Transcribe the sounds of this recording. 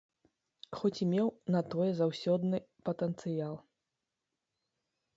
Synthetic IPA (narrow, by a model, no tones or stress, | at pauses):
xɔt͡sʲimʲɛwnɐt̪ɔjɛzawsʲɔd̪nɨpɐt̪ɛnt̪sɨjalˠ